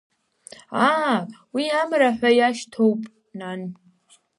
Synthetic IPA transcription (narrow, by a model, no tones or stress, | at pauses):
awiamraħʷajaʃtʰowpʼ | nan